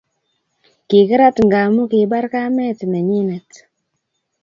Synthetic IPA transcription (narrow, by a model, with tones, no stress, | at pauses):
ki˨kɨ˦ɾa˦tŋɡa˨mu˦ki˨ɓa˦ɾka˦mɛ˦tna˨ɲi˦nɛ˨t